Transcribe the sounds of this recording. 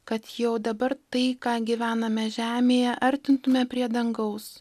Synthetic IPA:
kɐt̪jɛʊd̪ɐbɐrɾt̪ɐɪkɑːɡʲɪʋʲæːnɐmʲɛʒʲæːmʲeːjɛʔɐɾʲt̪ʲɪnt̪ʊmʲɛpʲɾʲiɛd̪ɐŋɡɐʊs

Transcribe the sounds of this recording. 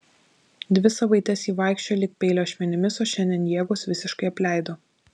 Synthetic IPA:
d̪ʲʋʲɪsɐʋɐɪt̪ʲɛsiːʋɑˑɪkʃʲt͡ʃʲoːlʲɪk̚pʲɛɪlʲoːʃʲʋʲɛnʲɪmʲɪsoːʃʲɛnʲd̪ʲɛnjiɛɡosʋʲɪsʲɪʃkɐɪɐpʲlʲæˑɪd̪oː

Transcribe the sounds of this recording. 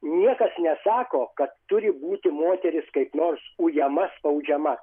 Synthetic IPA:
nʲiɛkɐsnʲɛsɑːkoːkɐt̪ːʊɾʲɪbuːt̪ʲɪmoːt̪ʲɛɾʲɪskɐɪpnoːrsujɛmɐspɐʊd͡ʒʲɛmɐ

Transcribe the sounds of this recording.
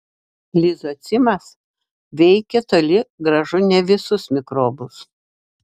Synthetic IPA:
lʲɪzot̪sʲɪmɐs | ʋʲɛɪkʲɛt̪olʲɪɡɾɐʒʊnʲɛʋʲɪsʊsmʲɪkɾoːbʊs

